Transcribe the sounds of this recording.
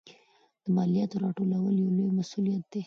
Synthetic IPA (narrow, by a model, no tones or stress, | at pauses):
d̪̥əmɑlijat̪oɾɑʈolawəljawlojmasulijat̪̚d̪̥e